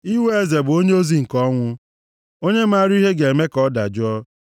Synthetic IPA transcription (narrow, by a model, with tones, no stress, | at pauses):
i˦we˦e˨ze˨bʊ˨o˦ɲe˦o˦zi˨ŋ̩˨kɔ˦ŋʷʊ˦ | o˦ɲe˦m̩˦a˦˨ɾi˦i˦ɦe˦ɡe˨e˨me˦kɔ˦da˨d͡ʒʊ˦ɔ˦